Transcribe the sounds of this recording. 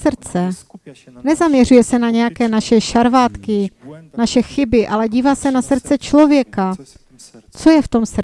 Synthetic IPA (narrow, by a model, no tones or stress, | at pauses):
sr̩t͡sɛ | nɛzamɲɛrujɛsɛnaɲɛjakɛːnaʃɛʃaɾvaːt̪kɪnaʃɛxɪbɪʔalɛɟiːvaːsɛnasr̩t͡sɛt͡ʃlo̞vjɛka | t͡so̞jɛft̪o̞ms